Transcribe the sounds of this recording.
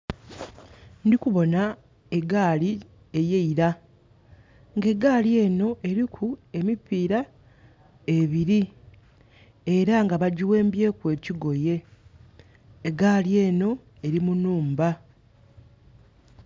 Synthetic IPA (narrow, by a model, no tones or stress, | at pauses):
ndikuβo̞na | eɡaːli | ejeiɾa | ŋɡe̞ɡaːlje̞ːno̞ʔe̞ɾikʰue̞mipiːɾa | e̞βiɾi | e̞ɾaŋɡaβaɟiwe̞ːmbje̞ːkwe̞ːciɡo̞je̞ | ɡaːlje̞ːno̞ | e̞ɾimunuːmba